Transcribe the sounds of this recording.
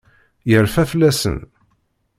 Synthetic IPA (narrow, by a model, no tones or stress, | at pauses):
jəɾfæflːæsə̰n